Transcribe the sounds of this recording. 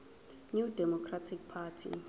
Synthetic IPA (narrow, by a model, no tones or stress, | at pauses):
nudɛmɔkʰratʰik̚pʰatʰḭ